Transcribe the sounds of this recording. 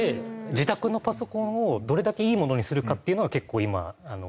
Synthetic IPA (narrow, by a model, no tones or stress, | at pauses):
ed͡ʑit̪akɯ̟no̞paso̞kõ̞ɰ̃o̞d̪o̞ɾe̞d̪ake̞iːmo̞no̞ɲ̟isɨɾɯ̟kat̪ːeiɯ̟noɡake̞kːo̞ːima̰ano̰